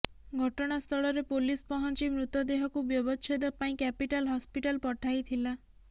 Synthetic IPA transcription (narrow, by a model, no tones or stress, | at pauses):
ɡʱɔʈɔɽ̃ast̪ʰɔɭɔɾepolispɔɦɔnt͡ʃimɾut̪ɔd̪eɦɔkubjɔbɔt͡ʃʰɔd̪ɔpaĩkɛpiʈalɦɔspiʈalpɔʈʰajt̪ʰila